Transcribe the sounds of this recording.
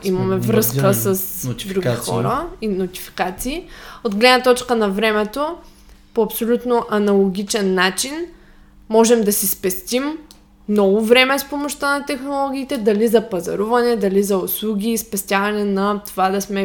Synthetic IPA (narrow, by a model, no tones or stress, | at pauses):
imɐmɛvɾɤskəsɐsd̪ɾuixɔ̰ɾəinot̪i̥fi̥kat̪siːod̪ɡlɛd̪nɐt̪ɔt͡ʃkənɐvɾɛmɛt̪o | poɐpsolʲut̪noʔɐnɐlˠoɡʲit͡ʃɛnːat͡ʃin | mɔʒɛmd̪ɐsispɛst̪ʲim | nɔvovɾɛmɛspomoʃt̪ənɐt̪ɛxnolˠɔɡʲiːt̪ɛd̪ɐlizɐpɐzɐ̰ɾuvɐnɛd̪ɐlizɐʊslˠuɡʲiːspɛst̪ʲjavɐnɛnɐt̪ovad̪ɐsmɛ